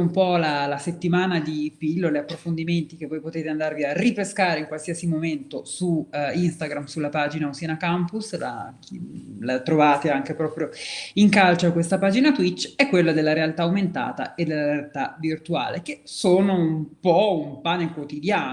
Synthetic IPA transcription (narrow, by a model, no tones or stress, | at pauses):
umpɔlalaset̪ːimaːnad̪ipilːoleapːɾofond̪iment̪ik̟evːɔjpot̪eːt̪eand̪arviaripeskaːɾeiŋkwalsiasimoment̪osuinst̪aɡɾamsulːapaːd͡ʒinaosianakampusla̰kilat̪ɾovaːt̪eaŋkepɾɔːpɾjoiŋkalt͡ʃakwest̪apaːd͡ʒinat̪wit͡ʃːɛkːwelːad̪elːaɾealt̪aːument̪a̰ːt̪a̰ed̪ːelːaɾealt̪avirt̪ua̰ːlek̟esoːnoumpɔumpaːnekwot̪id̪jaː